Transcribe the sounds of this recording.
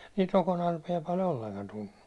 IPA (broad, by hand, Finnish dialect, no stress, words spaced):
niːt rokonɑrpijɑ pɑl olːeŋkɑn tunːu